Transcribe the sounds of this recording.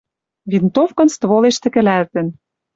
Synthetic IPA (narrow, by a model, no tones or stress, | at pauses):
vʲint̪ofkɤ̆nst̪voleʃt̪ɘ̆kɘ̆lælt̪ɘ̆n